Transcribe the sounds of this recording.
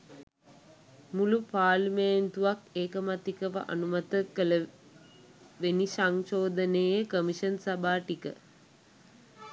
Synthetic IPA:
mulupaːliment̪uʋakeːkəmat̪ikəʋa̰ʔa̰numat̪əkələ | ʋenisaŋʃoːd̪əneːjəkəmiʃənsabaːʈikə̰

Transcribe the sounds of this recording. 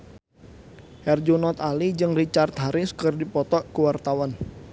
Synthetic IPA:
hɛrd͡ʒunɔt̪alid͡ʒɨŋrit͡ʃart̪ɦaɾɪskɨrdipɔt̪ɔʔkəwart̪awan

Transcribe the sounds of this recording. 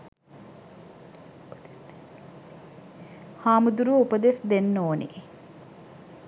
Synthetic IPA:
haːmud̪uɾuupəd̪esd̪enːoːnḭ

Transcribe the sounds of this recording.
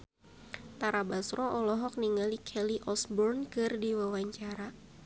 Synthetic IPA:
t̪aɾabasɾɔʔɔlɔɦɔk̚niŋalikʰɛliʔɔsbɔrnkɨrdiwawaɲt͡ʃaɾa

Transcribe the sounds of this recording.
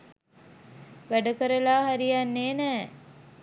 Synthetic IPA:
ʋæɖəkəɾəlaːɦaɾijanːeːnɛː

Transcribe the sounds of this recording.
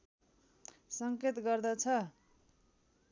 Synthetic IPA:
sʌŋket̪ɡʌrd̪ʌt͡sʰʌ

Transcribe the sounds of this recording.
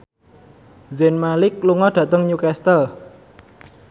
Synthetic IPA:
zɛnmalɪk̚luŋɔɖ̥ä̤ʔt̪əŋɲukast̪əl

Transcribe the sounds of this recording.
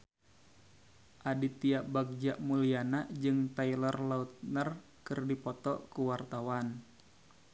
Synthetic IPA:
ʔadit̪iaʔbaɡ̚d͡ʒaʔmulianaʔd͡ʒɨŋt̪ailərlaut̪̚nər | kɨrdipɔt̪ɔkuwart̪awan

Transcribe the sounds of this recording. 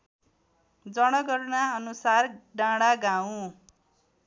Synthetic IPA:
d͡zʌɽ̃ʌɡʌrnaʌnusarɖãɽaɡaw̃

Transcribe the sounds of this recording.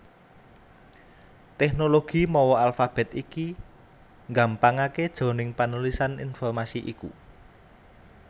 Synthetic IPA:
t̪ɛknoloɡ̥i̤mɔwɔalfab̥ɛ̤t̪iki | ŋɡampaŋaked̥ʒ̥o̤nɪŋpanulisanḭnfɔrmasiʔḭku

